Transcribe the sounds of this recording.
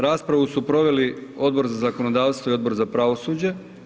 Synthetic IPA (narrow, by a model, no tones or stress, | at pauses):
ɾaːspɾaʋusupɾo̞ʋe̞lio̞d̪̚bo̞ɾzazako̞nod̪aːʋst̪ʋoio̞d̪bo̞ɾzapɾaʋo̞suːd͡ʑe